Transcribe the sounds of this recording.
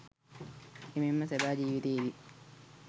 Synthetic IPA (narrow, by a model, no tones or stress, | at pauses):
imimːɐsebaːd͡ʒiːʋit̪eːid̪i